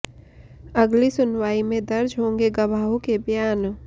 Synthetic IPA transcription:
ɐɡlisʊnwaːimẽd̪ɐɾd͡ʒɦõːŋɡeɡɐʋaːɦõkebjaːn

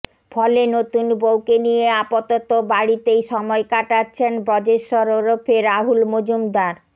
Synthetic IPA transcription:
fʰɔlenot̪unbowkenijeapot̪ɔt̪obaɽit̪ejʃɔmɔekaʈatːɕʰenbɾɔd͡ʑeʃoɾoɾopʰeɾaɦulmod͡ʑumd̪aɾ

